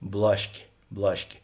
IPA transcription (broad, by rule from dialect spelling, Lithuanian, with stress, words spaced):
ˈblˠɑːʃʲkʲeː ˈblˠɑːʃʲkʲeː